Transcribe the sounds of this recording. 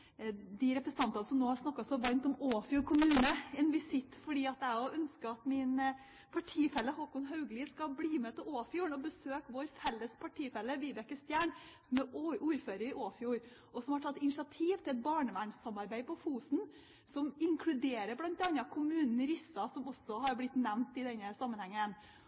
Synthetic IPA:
d̪ɪɾɛpɾəsət̪ɑnt̪ɑnəsɔmnoːhɑʂnɑkːɑsɔʋɑnt̪ɔmoːfjuːɾkʰʊmʉːnəɛːnʋɪsɪt̪ːfɔɖiːɑt̪æɔʔœnskəɑt̪mɪn | pʰɑʈʰiːfɛlːəhɔkʊnɦɑʉɡliːskɑbliːmɛt̪ʰɪloːfjuːɳɔbəsøːkʋoɾfɛlːəspʰɑʈʰiːfɛlːəʋiːd̪ɛkəst̪jæːɳ | sɔmɛʔuːɾføːɾəɾɪʔoːfjuːɾ | ɔsɔmhɑʈʰɑt̪ːɪnɪsɪɑt̪ʰiːʋt̪ɪlɛt̪̚bɑːɳəʋæɳsɑmɑɾbæɪpʰɔfuːsn̩ | sɔmɪŋkʰlʉd̪eːɾəɾblɑnt̪ɑnɑkʰʊmʉːnn̩əɾɪsːɑsɔmɔsɔɦɑɾblɪt̪nɛmnt̪ɪd̪ɛnːəsɑmːənhɛŋːən

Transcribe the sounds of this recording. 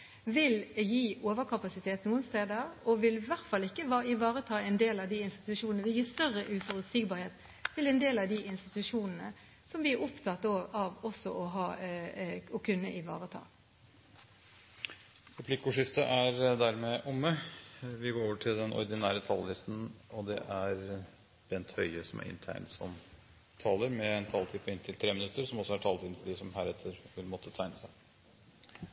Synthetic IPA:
ʋɪljiːoːʋəʁkʰɑpɑsɪt̪ʰeːt̪nuːənst̪eːd̪əʁɔʋɪlʋæʁt̪fɑlːɪkːəʋɑːɪʋɑːʁət̪ʰɑːɛnd̪eːlɑʋd̪iɪnst̪ɪ̥t̪ʉʂuːnənəʋɪljiːst̪œʁəʔʉfɔʁʉt̪sɪɡ̚bɑːɾheːt̪ | t̪ʰɪlɛnd̪eːlɑʋd̪iɪnst̪ɪt̪ʉʂuːnənə̰ | sɔmʋɪæɾɔpt̪ʰɑt̪ːoːɡɑʋɔsɔʔɔɦɑː | ɔkʰʉnːəʔɪʋɑ̰ːʁət̪ʰɑ̰ː | ɾɛpʰlɪkʊʂɪst̪əʔæɾd̪æɾmɛʔʊməʋɪɡoːɾoːʋəʈʰɪld̪ɛnʔɔ̰ɾd̪ɪnæːɾət̪ʰɑllɪst̪n̩ɔd̪ɛ̰ʔæɾ | b̥ɛnt̪hœʏəsɔmʔæ̰ɾɪ̰nt̪ʰæ̰ɪnsɔ̰m | t̪ʰɑːləɾmɛɛnt̪ʰɑlt̪ʰːpːəɪnt̪ʰɪlt̪ʰɾeːmɪnʉt̪ːəɾsɔmɔsɔæʈʰɑːlt̪ɪnfɔɖiːsɔmhæːɾɛt̪ʰːəɾhʊɾmɔt̪ʰːət̪ʰæɪnəsæɪ

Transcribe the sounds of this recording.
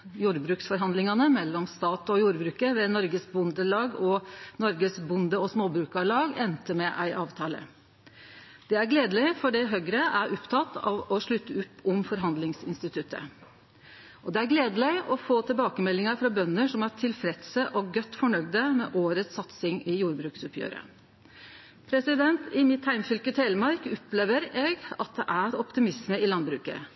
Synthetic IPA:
juːɾbɾʉːksfɔɾɦɑnd̪lɪŋɑnəmɛlːɔmst̪ɑːt̪ɔjuːɾbɾʉːkəʋɛnɔɾɡəsbʊnd̪əlɑːɡɔnɔɾɡəsbʊnd̪əɔsmoːbɾʉːkɑlɑːɡɛnt̪əmɛʔæɪʔɑːʋt̪ʰɑːlə̰ | d̪̥ɛæɾɡleːd̪əlɪɪfɔɖɛɦœɡɾəʔæɾʔɔpt̪ʰɑt̪ːɑ̰ʋɔʂɭʉt̪ʰːəʉpːɔmfɔɾɦɑnd̪lɪŋsɪ̰nst̪ɪt̪ʰʉt̪ʰːə̰ | ʔɔd̪ɛæɾɡleːd̪əlɪɪʔɔfoːt̪ʰɪlbɑːkəmɛlːɪŋəɾfɾɑbœnːəʂɔmæʈʰɪlfɾɛd̪səʔɔɡœt̪ːfɔɳœɡd̪əmɛ̰ːʔoːɾət̪sɑt̪sɪŋɪjuːɾbɾʉːksʉpʰjø̰ːɾə̰ | pʰɾɛsɪd̪ɛnt̪ɪmɪt̪hæɪmfʏlkət̪ʰeːlmɑɾkɔpleːʋəɾeːɡɑt̪̚d̪ɛʔæɾɔpt̪ɪmɪsməɪlɑnbɾʉːkə̰

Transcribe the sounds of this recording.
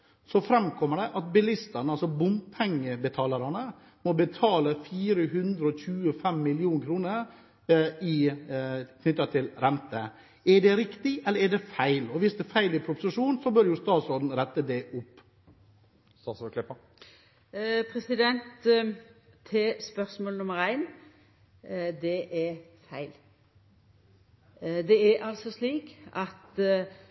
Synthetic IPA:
sɔfɾɛmkʰɔmːəɖɛʔɑt̪bɪlɪst̪ɑnəɑlsɔbʊmpʰɛŋːəbət̪ʰɑːlɑɾɑnə | mɔbət̪ʰɑːləfiːɾəɦʉnd̪ɾəɔçʉːəfɛmːɪljuːŋkʰɾuːnəɾ | ɪ | kʰnʏt̪ːɑt̪ʰɪlɾɛnt̪ə | ɛɖɛɾɪkt̪ɪʔɛlːəɾɛɖɛfæɪlɔʋɪsd̪ɛfæɪlɪpʰɾʊpʊsɪʂuːnsɔbœɾjʊst̪ɑːt̪sɔd̪nɾɛt̪ːəd̪ɛʔʊpː | st̪ɑːt̪sɔklɪpːə | pʰɾɛsɪd̪ɛnt̪ | espœɾsmoːlənʊməɾæɪn | d̪ɛʔɛfæɪl | d̪ɛɛɾʔɑlsɔsliːkʔɑt̪

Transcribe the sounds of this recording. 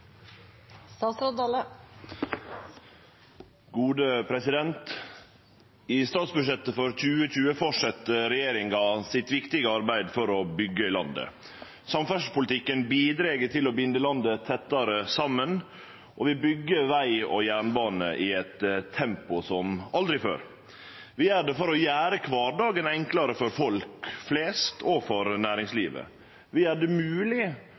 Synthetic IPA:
st̪ɑːsɾɑd̪ɑlə | ɡuːd̪əpʰɾɛsɪd̪ɛnt̪ | ɪst̪ɑːt̪sbʉʂ̬ɛt̪ːəfɔɾc͡çʉːəc͡çʉːəfɔʂɛt̪ːəɾɛjeːɾɪŋɑsɪt̪ʋɪkt̪ɪɡəɑɾbæɪd̪fɔɾɔbʏɡːəɪlɑnd̪ə̰ | sɑmfæʂpʊlt̪ʰɪkːənbiːd̪ɾeːɡət̪ʰɪlɔbʏnd̪əlɑnd̪ət̪ʰɛt̪ːɑɾəsɑmːən | ʔɔʋɪbʏɡːəʋæɪɔ̰jæːɳbɑːnə̰ʔɪɛt̪t̪ʰːɛmpʊsɔmɑld̪ɾɪfø̰ːɾ | ʋɪæɖɛfɔɾɔjæːɾəkʰʋɑːɾɖɑːɡənɛŋklɑɾəfɔɾfɔlkfleːst̪ʰɔfɔɾnæːɾɪŋsliːʋə̰ | ʋɪæɖɛmʉːlɪ

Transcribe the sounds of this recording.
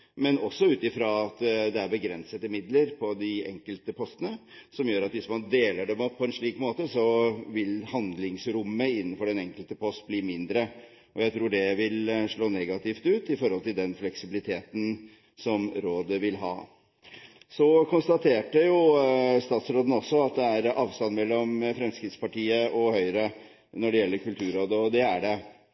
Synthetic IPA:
mɛnɔsːɔʉːt̪ɪfɾɑɑt̪d̪ɛæɾbəɡɾɛnsət̪əmɪd̪ləɾpʰɔd̪ɪɛ̰ŋkəlt̪əpʰɔst̪ənəsɔmjøːɾɑt̪ʋɪsmɑnd̪eːləɖɛmɔpʰːɔɛnʂɭiːkmoːt̪əsɔʋɪlhɑnd̪lɪŋsɾʊmːəɪnːənfɔɖɛnɛŋkəlt̪əpʰɔst̪̚bliːmɪnd̪ɾə | ʔɔjæɪt̪ʰɾuːɖɛʋɪlʂɭoːnɛɡɑt̪ɪft̪ʉːt̪ɪfɔɾhɔlt̪ɪld̪ɛnflɛksɪbɪlɪt̪ʰeːt̪n̩ | sɔmɾoːd̪əʋɪlɦɑ̰ː | sɔkʰʊnst̪ɑt̪ʰeːʈːəjʊst̪ɑːt̪sɾoːd̪ən̩ɔsːɔɑt̪̚d̪ɛæɾɑːʋst̪ɑnːmɛlːɔmfɾɛmskɾɪt̪spɑʈiːəʔɔhœʏɾə | nɔɖɛjɛlːəɾkʉlt̪ʰʉːɾoːd̪əɔd̪ɛæɖɛ

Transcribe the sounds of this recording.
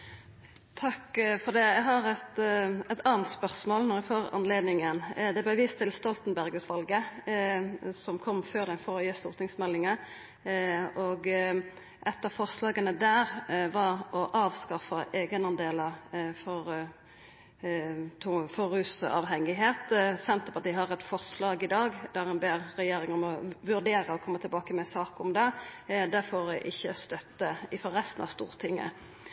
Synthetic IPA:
t̪ʰɑkːfɔd̪ɛæɦɑʁɛt̪ɛt̪ʰɑːnt̪spœʁsmoːlnɔʁæfoːʁɑ̰nleːd̪nɪŋənd̪ɛblæʋiːst̪ʰːɪlst̪ɔlt̪n̩bæʁɡəsʋɑlɡə | sɔmkʰɔmːføːʁd̪ɛfɔʁɔjeːst̪ṵːʁt̪ʰɪŋsmɛlːɪŋə | ʔɔɡ | ʔɛt̪ːɑfɔʁslɑːɡənəd̪æːʁʋɑʁɔʔɑːʋskɑfɑʔeːɡənɑnd̪eːləfɔɾ | t̪ʰʊfɔɾʉːsɑ̰ʋɦɛŋːɪɦeːt̪sɛnt̪əpɑt̪iːɦɑɾɛt̪fɔʁslɑːɡɪd̪ɑːɡd̪̥æɾɛnbeːʁɾɛjeːɾɪŋɔmɔʋʉɾd̪eːɾəɔkʰɔmːət̪ʰɪlbɑːkəmɛsɑːkʊmd̪ɛd̪æfoːɾæʔɪçːəst̪œt̪ːəɪfɔʁɛst̪n̩ɑ̰ʋst̪uːʁət̪ʰɪŋːə̰

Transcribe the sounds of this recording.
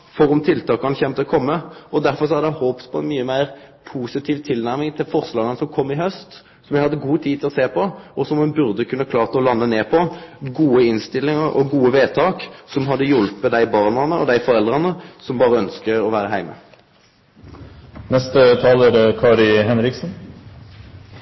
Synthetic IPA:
fɔɾʊmt̪ʰɪlt̪ʰɑːkɑnəçɛmt̪ʰɛkʰɔmːəɔd̪æʁfɔʁsɔæʁd̪æɪhoːppʰɔɛnmyːəmæɪʁpʰuːsɪt̪ʰiːʋt̪ʰɪlnæɾmɪŋt̪ʰɪlfɔʁslɑːɡənəsɔmkʰɔmːɪhœst̪ | sɔmjæhɑd̪ːəɡuːt̪ʰiːd̪t̪ʰɪlɔseːpʰɔɔsɔmhʉnbʉʁd̪əkʰʉnːəkʰlɑːʁt̪ɔlɑnːəneːpʰɔɡuːəɪnst̪ɪlːɪŋəʁɔ̰ɡuːəʋeːt̪ʰɑːksɔmɦɑd̪ːəjʊlpməd̪æɪbɑːʁnɑnəɔ̰d̪æɪfɔɾɛld̪ʁɑnəsɔmbɑːʁəœnskəɔʋæːɾəɦæɪmə̰ | nɛst̪ət̪ʰɑːləɾkʰɑːɾɪɦɛnɾɪksn̩

